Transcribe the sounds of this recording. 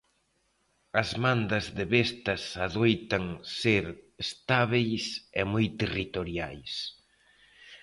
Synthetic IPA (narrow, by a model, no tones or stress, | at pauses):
ɐzmand̪ɐzðeβest̪ɐsaðojt̪ɐŋseɾest̪aβejsemujt̪erit̪oɾjajs